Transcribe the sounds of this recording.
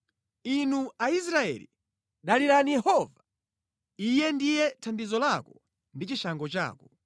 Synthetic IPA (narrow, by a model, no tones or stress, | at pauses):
inuais̬ɾaɛ̰lḭ | ɗaliɾanijɛhɔːva | ijɛndijɛtʰandizɔlakɔ | ndit͡ʃiʃaŋɡɔt͡ʃa̰ːkɔ